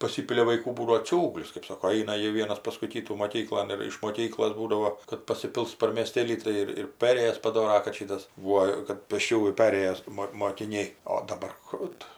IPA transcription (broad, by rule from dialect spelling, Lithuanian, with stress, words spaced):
pɐˈsʲɪpʲɪlʲɛ ʋɐɪˈkuː ˈbuːdɐʋoː ˈt͡sʲuːɡlʲɪs kɜp ˈsɑːkoː ˈɐɪnɐ ˈjiɛ ˈʋʲiɛnɐs ˈpɑːskʊɪ ˈkʲiːtuː moːˈkʲiːklˠoːn ɪr ɪʃ moːˈkʲiːklˠoːs ˈbuːdɐʋoː kɐt pɐsʲɪˈpʲɪlˠs pɐr mʲiɛˈsʲtʲeːlʲiː ˈtɐɪ ɪr ɪr ˈpʲæːrʲeːjɛs pɐˈdoːrɐ kɐt ˈʃʲiːtɐs ˈʋuɔ kɐt pʲeːsʲˈt͡ʃʲuːjuː ˈpʲæːrʲeːjoːs ˈmoː moːkʲɪˈnʲɛɪ oː dɐˈbɐr ˈkuː tʊ